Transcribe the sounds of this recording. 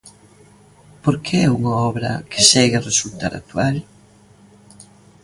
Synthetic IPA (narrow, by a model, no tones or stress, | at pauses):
poɾkeɛuŋaɔβɾɐ̰kɪ̥sɛɣaresult̪a̰ɾa̰t̪ual